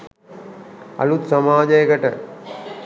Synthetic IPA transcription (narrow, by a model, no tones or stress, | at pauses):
ɐ̰lut̪sɐmaːd͡ʒɐjəɡɐʈə